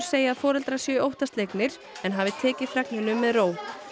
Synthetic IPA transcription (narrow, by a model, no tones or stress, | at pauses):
seːjaːðfɔːɾɛlt̪ɾasjœːowht̪ast̪lejknɪɾ̥ | ɛnɦaːvɪt̪ʰɛːcɪðfɾɛknɪnʏmːɛðroːw